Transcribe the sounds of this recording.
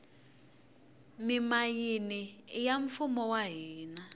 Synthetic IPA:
mimajinijaɱfumɔwaɦiːna

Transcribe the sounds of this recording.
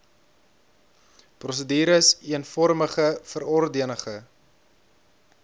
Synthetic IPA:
prɔs̬ədiːɾəsiənfɔrməχəfəɾɔrdiənəχə

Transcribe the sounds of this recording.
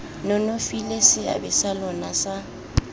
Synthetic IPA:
nɔnofilesɪa̰bɪsalɔnasa

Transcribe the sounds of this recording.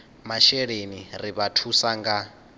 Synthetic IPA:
maʃɛɺeniriβatʰusaŋɡa

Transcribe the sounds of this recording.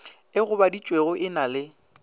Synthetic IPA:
ɪɣʊbadit͡ʃʼweɣʊʔɪnalɪ

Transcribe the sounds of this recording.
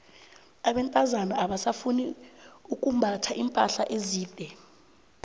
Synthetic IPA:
aɓɛntʼazanaaɓasafuniuk̬ʼumbʱatʰaʔimpʼaɬaʔeziːd̥ʱɛ

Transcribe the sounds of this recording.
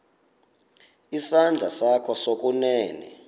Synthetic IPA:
isand͡ɮʱasakʰɔsok̬ʼunɛːnɛ̰

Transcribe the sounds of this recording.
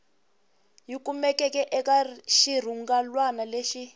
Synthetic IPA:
jik̬ʼumɛkʼɛk̬ʼɛʔɛk̬ʼaʃir̤uŋɡalwanaleʃi

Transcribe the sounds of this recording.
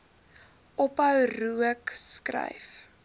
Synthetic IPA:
ʔɔpəwruəkskrɛ̰jf

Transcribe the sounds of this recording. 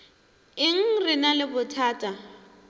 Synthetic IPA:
ɪŋ̩rɪnalɪbʊtʰaːtʼa

